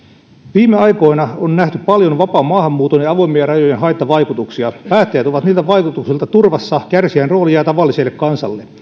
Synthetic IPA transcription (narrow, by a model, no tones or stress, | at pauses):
ʋiːmeɑiko̞inɑonnæht̪yppɑljonʋɑpɑːmɑːhɑmːuːt̪oneɑʋoimːiɑrɑjojenɦɑjt̪ːɑʋɑikut̪uksiɑpæːt̪ːæjæt̪oʋɑt̪niːlt̪æʋɑikut̪uksilt̪ɑt̪urʋɑsːɑkærsiænroːliɑjɑt̪ɑʋɑlːiselːekkɑnsɑ̰lːe